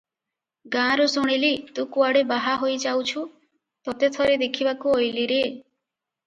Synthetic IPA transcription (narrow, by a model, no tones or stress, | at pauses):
ɡãɾusuɽ̃ilit̪ũkuaɽebaɦaɦojd͡ʒawt͡ʃʰu | t̪ɔt̪et̪ʰɔɾed̪ekʰibakuojliɾe